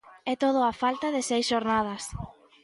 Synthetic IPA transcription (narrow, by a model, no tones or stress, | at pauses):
ɛt̪oð̞ʊafalt̪ɐðɪsɛjsʃoɾnað̞ɐs